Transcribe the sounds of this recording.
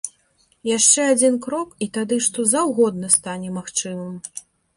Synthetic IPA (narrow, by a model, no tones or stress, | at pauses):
jaʂt͡ʂɛad͡zʲinkɾɔkit̪ad̪ɨʂt̪ɔzɐwɣɔd̪nɐst̪anʲɛmaxt͡ʂɨmɨm